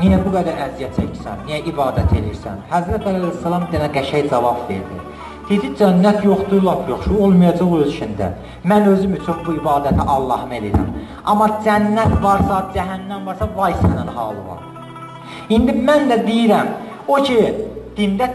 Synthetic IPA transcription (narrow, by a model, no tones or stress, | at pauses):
nijæbuɡæd̪æɾæzijæt͡ʃʰecʰi̥sænnijæʔibɑːd̪æt̪ʰe̞lḭɾsæ̰nhæzɾæt̪ʰælæjsːælˠɑmd̪enæɡæʃæjd͡ʒɑvɑbve̞̰ɾd̪ḭ | d̪̥id͡ʒ̪id͡ʒænːæt̪ʰjoχd̪ulˠɑpʰjo̞χʃuo̞lˠmɑjɑd͡ʒɑʁoølʃʰind̪æ̰ | mænø̞zymyt͡ʃʰynbuibɑːd̪æt̪ʰiʔɑlˠːɑ̰hɯme̞liɾæ̰m | ɑmːɑd͡ʒænːæt̪vɑɾsɑd͡ʒæɦænːæmvɑɾsɑvɑjsænænhɑ̰ːlˠɯvɑ̰ɾ | ind̪imænd̪æd̪ijiɾæm | ocʰid̪̥ind̪æ